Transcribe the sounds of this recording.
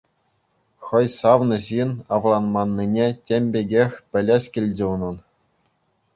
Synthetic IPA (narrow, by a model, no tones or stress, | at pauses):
χɤ̆jsɑʋnɤ̆ʑinɑʋlˠɑnmɑnːinʲetʲemʲbʲeɡʲexʲpʲɘ̆lʲeɕʲkʲilʲd͡ʑʲɘ̆unɤ̆n